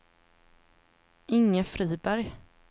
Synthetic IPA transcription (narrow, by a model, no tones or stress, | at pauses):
ʔɪŋːəfɾiːbæɾj